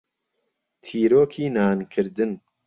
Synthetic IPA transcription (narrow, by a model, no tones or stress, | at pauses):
t̪ʰiːɾoːkʰiːnaːnkʰɨɾd̪ɨn